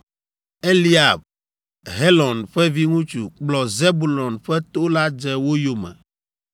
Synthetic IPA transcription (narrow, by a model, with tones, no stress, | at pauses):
e˦li˦a˨b̚ | ɦe˦lɔ̃˨nɸɛ˦vi˦ŋũ˦t͡ʃu˨k͡plɔ˨ze˦bu˨lɔ˨nɸɛ˦t̪o˦la˦d͡ʒɛ˦wo˦jo˨mɛ̰̃˨